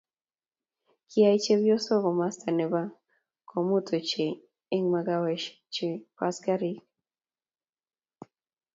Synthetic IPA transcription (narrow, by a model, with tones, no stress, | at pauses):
kia˦i˦t͡ʃe˦bjo˦sɔ˦ɣɔ˨ma˦sta˨nɛ˨ba˦ | kʰo˨mu˦tʰo˨t͡ʃeː˨˦ | ŋma˨ɡa˦wɛ˨ʃ | t͡ʃe˨pa˦ska˦ɾi˨k